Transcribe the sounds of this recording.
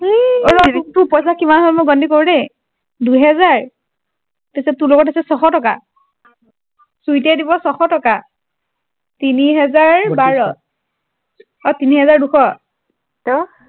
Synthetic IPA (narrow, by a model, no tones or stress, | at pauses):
ɔɹɔtupɔjsakimanɦɔlmoɡɔndikoɹudɛ | duɦɛzaɹ | pisɛtuloɡɔtasɛsɔxɔtɔka | sujtɛdibɔsɔxɔtɔka | tiniɦɛzaɹbaɹɔ | ɔtiniɦɛzaɹduxɔ